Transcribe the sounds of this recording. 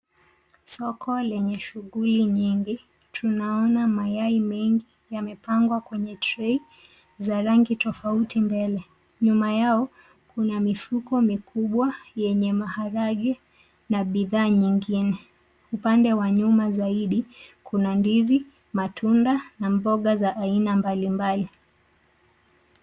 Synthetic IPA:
sɔkʰɔlɛɲɛʃuɣuliɲiŋɡi | tʰunaɔnamajaimɛŋɡi | jamɛpaŋɡwakwɛɲɛtɾɛi | zaɾaŋɡitɔfautimbɛlɛ | ɲumajaɔ | kunamifukɔmikʰuɓwajɛɲɛmahaɾaɠɛ | naɓiðaːɲiŋɡinɛ | upandɛwaɲumazaiɗikʰunandivi | matʰundanambɔɠazaʔːinambalimbali

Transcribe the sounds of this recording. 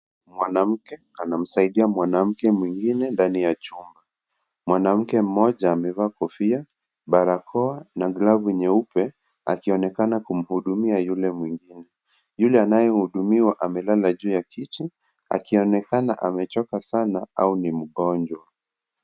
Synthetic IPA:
mwanam̩kɛ | anam̩saiɗiamwanam̩kɛmwiŋɡinɛndanijat͡ʃumba | mwanam̩kɛm̩mɔʄaːmɛvaːkɔfia | ɓaɾakʰɔanaɡlavuɲɛupɛ | a̰kiɔnɛkanakum̩huɗumiajulɛmwiŋɡinɛ | julɛanajɛhuɗumiwaʔamɛlalaʄuːjakiti | a̰kiɔnɛkanaʔamɛt͡ʃɔkasanaaunim̩ɠɔnd͡ʒwa

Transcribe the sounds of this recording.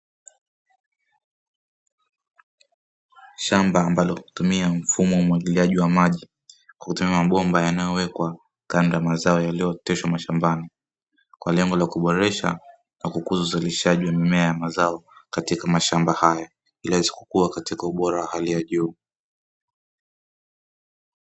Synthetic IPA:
ʃambaːmbalɔhuu̥tumiam̩fumɔumwaɡiliaʄiwamaʄi | kwakutumiamaɓɔmbajanajɔwɛkwa | kandajamazaɔjalijɔtɛʃwamaʃambani | kwalɛŋɡɔlakuɓɔɾɛʃa̰ | nakukuzauzaliʃaʄiwamimɛajamazaɔkatikamaʃambahaja | ilɛziku̥kuakatikauɓɔɾawahalijaʄuː

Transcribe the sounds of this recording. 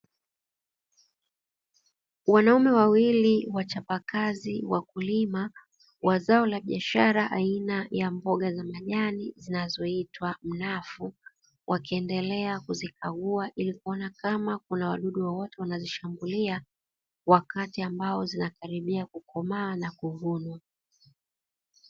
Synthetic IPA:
wanaumɛwawiliwat͡ʃapakaziwakulima | wazaɔlaɓiaʃaɾaʔainajambɔɠazamaʄanizinazɔitwam̩nafu | wʔakiɛndɛlɛakuzikaɠuaʔilikuɔnakamakunawa̰ɗuɗuwawɔtɛwanaziʃambulia | wakatiambaɔzinakaɾiɓiakukɔmaːnakuvunwa

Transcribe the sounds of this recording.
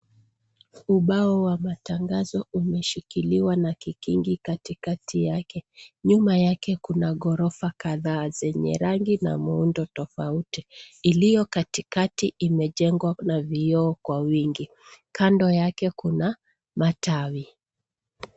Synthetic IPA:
uɓaɔwamataŋɡazɔumɛʃikiliwanakikḭŋɡikatikatʰijakɛɲumajakɛkunaɠɔɾɔfakaðaːzɛɲɛ̰ɾaŋɡina̰muundɔtɔfautiilijɔkatikatiʔimɛʄɛŋɡwanavijɔːkwawiŋɡi | kandɔjakɛkuna | matʰawi

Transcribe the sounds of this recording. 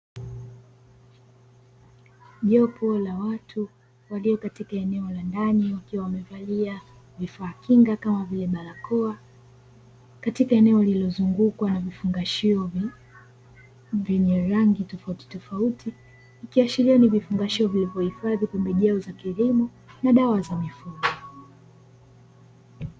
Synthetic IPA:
ʄɔpɔlawatʰu | waliɔkatikaɛnɛɔlandaniwakiwawamɛvalia | vifaːkiŋɡakamavilɛɓalakɔa | katikaɛnɛɔalilɔzuŋɡukwanavifuŋɡaʃiɔ | vɛɲɛɾaŋɡitɔfauti̥tɔfauti | ikiaʃiɾianivifuŋɡaʃiɔvilivjɔhifaðipɛmbɛʄɛɔzakilimɔ | naɗawazamifuɡɔ

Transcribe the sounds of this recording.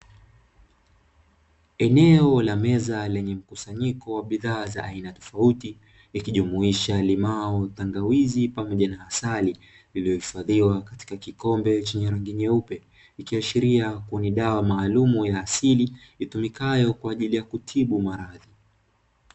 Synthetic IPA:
ɛnɛɔlamɛzalɛɲɛm̩kusaɲikɔwaɓiðaːzaʔainatɔ̥fauti | ikiʄumuiʃalimaɔtaŋɡawizipamɔʄanaasali | lilijɔhifaðiwakati̥kakikɔmbɛt͡ʃɛɲɛɾaŋɡiɲɛupɛ | ikiaʃiɾiakuniɗawamaːlumujaːsiliitumikajɔkwaːʄilijakutʰiɓumaɾaði

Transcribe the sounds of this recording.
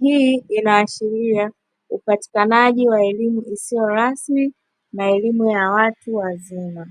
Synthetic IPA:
hiinaːʃiɾia | upati̥kanaʄiwaɛlimuisijɔɾasmi | naɛlimujawatuwazima

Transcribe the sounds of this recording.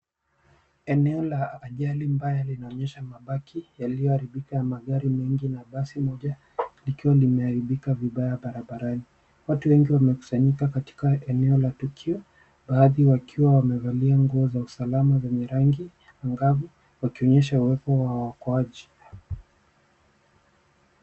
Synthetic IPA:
ɛnɛɔlaaʄalimbajalinaɔɲɛʃamaɓakʰijaliɔaɾiɓikanamaɠaɾimɛŋɡinaɓasimɔʄa | likiwalimɛaɾiɓikaviɓajaɓaɾaɓaɾani | watuwɛŋɡiwamɛku̥saɲikakati̥kaɛnɛɔlatukʰiɔ | ɓaːðiwakʰiwawamɛvaliaŋɡuɔzausalamazɛɲɛɾaŋɡi | aŋɡavu | wakiɔɲɛʃauwɛpɔwawakɔaʄi

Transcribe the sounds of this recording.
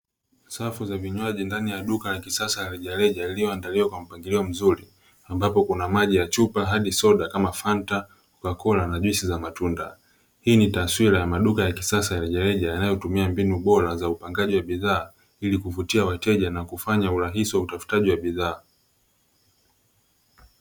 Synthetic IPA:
safuzaviɲwaʄindanijaɗukajakisasajaliʄaɾɛʄailijɔandaliwakwam̩paŋɡiliɔm̩zuɾi | ambapɔkunamaʄijat͡ʃupaɦaɗisɔɗakamafanta | ukakɔlanaʄwisizamatunda̰ | hiːnitaswiɾajamaɗukajakisasajaliʄaɾɛʄajanajɔtumiambinuɓɔɾazaupaŋɡaʄiwaɓiðaː | ilikuvutiawatɛʄanakufaɲauɾaɦisiwautafu̥taʄiwaɓiðaː

